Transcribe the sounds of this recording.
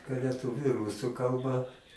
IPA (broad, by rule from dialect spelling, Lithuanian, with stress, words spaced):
lʲɛˈtʊʋʲʊ ˈrʊsʊ ˈkɐlˠbɐ